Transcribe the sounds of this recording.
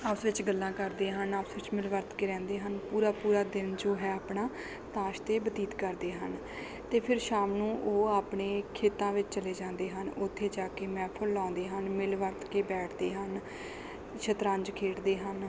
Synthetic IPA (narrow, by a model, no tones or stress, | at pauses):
əpsʋɪt͡ʃɡəlːãːkəɾd̪eːɦənaːpsʋɪt͡ʃmɪlʋəɾt̪keːɾɛ̃ːnd̪eːɦənpuːɾaːpuːɾaːd̪ɪnd͡ʒoːɦɛːaːpɳaː | t̪ãːʃt̪eːbət̪iːt̪kəɾd̪eːɦən | t̪eːpʰɪɾʃaːmnũːʔoːaːpɳeːkʰeːt̪ãːʋɪt͡ʃt͡ʃəleːd͡ʒãːnd̪eːɦənʊt̪ʰːeːd͡ʒaːkeːmɛ̃ːpʰʊlːɔ̃ːnd̪eːɦənmɪlʋəɾt̪keːbɛːʈʰd̪eːɦən | t͡ʃʰət̪ɾãːɲd͡ʒkʰeːʈʰd̪eːɦən